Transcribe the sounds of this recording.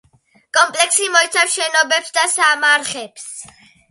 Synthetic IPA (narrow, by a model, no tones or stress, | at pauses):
kʼɔmpʼlɛksimɔit̪sʰafʃɛnɔbɛpsd̪asamaɾχɛps